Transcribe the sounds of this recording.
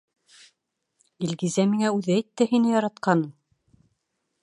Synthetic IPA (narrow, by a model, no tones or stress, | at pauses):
ilɡizæmiŋæʉðɘæjt̪ːɘhinɘjɑɾɑt̪̚qɑnɤm